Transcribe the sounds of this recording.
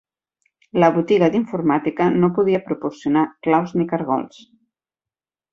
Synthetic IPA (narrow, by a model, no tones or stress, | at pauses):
ləβut̪iɣəðiɱfuɾmat̪ikənopuðiəpɾupuɾsiunaklawznikəɾɣɔ̰lˠs